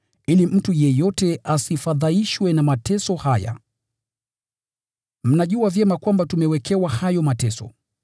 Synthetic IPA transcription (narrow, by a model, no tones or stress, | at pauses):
ilim̩tujɛjɔtɛasifaðaiʃwɛnamatɛsɔhaja̰ | m̩naʄuavjɛmakwambatumɛwɛkʰɛwahajɔmatɛsɔ̰